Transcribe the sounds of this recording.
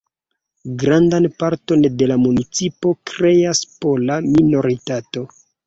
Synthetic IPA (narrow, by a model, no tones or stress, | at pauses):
ɡɾandanpaɾto̞nde̞lamunit͡sipo̞kɾe̞aspolamino̞ɾitato̞